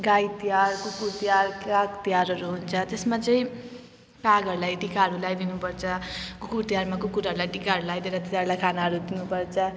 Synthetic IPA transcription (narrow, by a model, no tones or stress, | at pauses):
ɡajt̪ijarkukurt̪jarkakt̪ijaɾɦʌɾuɦunt͡sʰʌt̪esmat͡sʌĩ | kaɡʌɾulajʈikaɦʌɾulajd̪inupʌrt͡sʰʌkukurt̪jarmakukuɾɦʌɾulajʈikaɦʌɾulajd̪eɾʌt̪itaɾlajkʰanaɦʌɾud̪inupʌrt͡sʰʌ